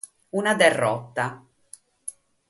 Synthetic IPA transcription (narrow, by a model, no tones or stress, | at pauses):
unad̪erːɔt̪ːa